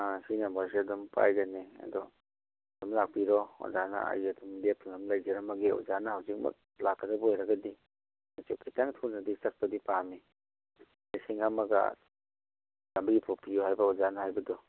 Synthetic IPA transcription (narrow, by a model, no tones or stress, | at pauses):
asinambas̬iadɔmpa̰jɡaneɐ̰dɔ | dumlak̚piɾɔo̰zana̰a̰jadumdepʰiŋamlajd͡ʒeɾamɐɡeṵzanɐhawzik̚mɐ̰k̚ | lakːɐdɐbɐojɾɐɡɐdi | mat͡ʃukʰataŋtʰuɾnɐdisɐk̚pɐdipami | lisiŋɐmɐɡa̰ | lambɐɡipʰopijoɦajbɐaozanahajbɐdɔ